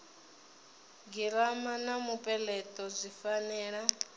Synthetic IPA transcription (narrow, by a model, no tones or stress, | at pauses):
ɡiɾamanamupʼɛlɛt̪ʼɔzʷifanɛːɺa